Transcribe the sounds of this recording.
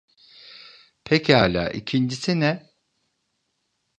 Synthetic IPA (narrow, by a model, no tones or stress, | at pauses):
pʰecaːlʲa̰ːʔḭcʰind͡ʒisinɛ